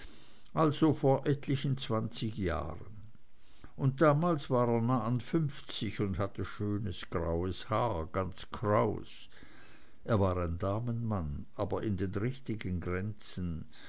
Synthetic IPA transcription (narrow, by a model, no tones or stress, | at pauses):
ʔalz̥ofoːɐʔɛtlɪçən̩t͡sv̥ant͡sɪçja̰ːʁən | ʊnt̚d̥aːmaːlsv̥aːʁeːɐnaːanfʏnft͡sɪçʊndhatəʃøːnəsɡ̥ʁa̰ʊəshaːɡ̥ant͡sɡ̥ʁaʊs | ʔeːɐvaːʁaɪndaːmənmanʔaːbɐɪndeːnʁɪçtɪɡənɡʁɛnt͡sən̩